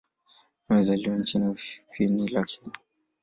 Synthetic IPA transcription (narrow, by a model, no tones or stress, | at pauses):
mɛzaliwan̩t͡ʃinafinilakʰini